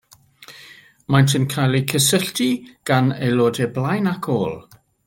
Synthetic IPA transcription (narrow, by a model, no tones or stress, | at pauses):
majntʰənkʰajlˠikʰəsəɬtʰiɡ̥aneloːdɛblˠajnakʰoːlˠ